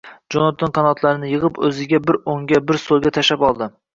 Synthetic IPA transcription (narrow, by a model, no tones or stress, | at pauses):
d͡ʒonɑt̪ʰːɪnqʰɑnɒt̪ʰlˠaɾɪnɪjɨʁɨpɵzɪɡʲabɪɾoŋɡʲabɪɾsolˠɡʲat̪ʰaʃapɒlˠd̪ɪ